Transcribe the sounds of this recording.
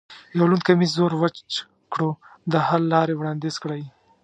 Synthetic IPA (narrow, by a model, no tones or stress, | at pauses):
jawlunkamizoɾwə | kɽod̪əhalːɑɾewɽɑnd̪ezkɽaj